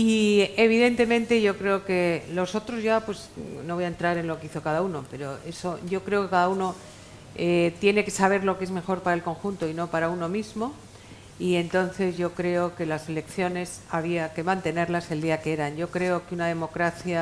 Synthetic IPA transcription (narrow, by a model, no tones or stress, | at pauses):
ie̞β̞iðe̞nt̪e̞mẽ̞nt̪e̞ʝo̞kɾe̞o̞ke̞lo̞so̞t̪ɾo̞zʝapwe̞sno̞βo̞jaent̪ɾaɾe̞nlo̞kiθo̞kaðaunope̞ɾo̞e̞so̞ʝo̞kɾe̞o̞ke̞kaðauno̞ | et̪je̞ne̞ke̞saβ̞e̞ɾlo̞keezme̞xo̞ɾpaɾaelko̞ŋxunt̪o̞ino̞paɾauno̞mizmo̞ | ie̞nt̪o̞nθe̞zʝo̞kɾe̞o̞ke̞lase̞lekθjo̞ne̞saβiake̞mãnt̪e̞ne̞ɾlase̞ld̪iakeeɾanʝo̞kɾe̞o̞keunaðe̞mo̞kɾaθja